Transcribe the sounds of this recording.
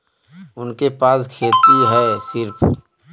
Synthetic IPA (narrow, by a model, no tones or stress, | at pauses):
ʊnkepaːskʰeːt̪iɦɛsɪɾpʰ